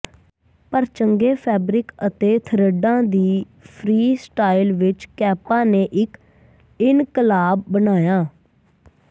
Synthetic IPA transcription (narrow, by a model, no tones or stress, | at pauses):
pəɾt͡ʃəŋɡeːpʰɛːbɾɪkət̪eːt̪ʰəɾəɖãːd̪iː | pʰɾiːsʈaːɪlʋɪt͡ʃkɛːpãːneːʔɪk | ɪnkəlaːbːənaːjaː